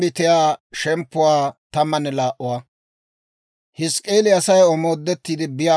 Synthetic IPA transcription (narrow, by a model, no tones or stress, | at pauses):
bɪt̪ɪjaːʃɛmpːʊwaːt̪ɐmːɐnːɛlaːʔʊwaː | hɪskʼːeːlɪɐsɐjɔmoːd̪ːɛt̪ːiːd̪ɪbɪjaː